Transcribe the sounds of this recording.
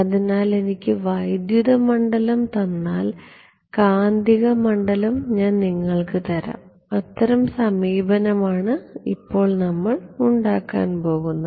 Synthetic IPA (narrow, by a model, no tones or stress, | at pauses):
ɐðinaːle̞nikʲːɨʋɐjd̪juðɐmɐɳɖɐlɐmt̪ɐnːaːl | kaːnd̪iɣɐmɐɳɖɐlɐmɲaːnniŋːɐɭkɨt̪ɐɾa̰m | ɐt̪ːɐɾɐmsɐmiːbɐnɐmaːɳɨḭpːo̞ːɭnɐmːɐɭuɳɖaːkːa̰ːnpo̞ːɣunːɐ